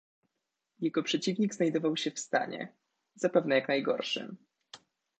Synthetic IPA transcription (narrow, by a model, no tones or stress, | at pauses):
jɛɡɔpʂɛt͡ɕivɲiɡznajd̪ɔvawɕɛfst̪a̰ɲɛ̰ | z̥apɛvnɛjaknajɡɔ̰ɾʂɘ̰